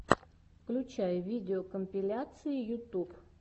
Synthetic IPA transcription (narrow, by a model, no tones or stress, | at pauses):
fklʲʊt͡ɕajʊvʲidʲɪokəmpʲɪlʲat̪sɨɪjʊt̪up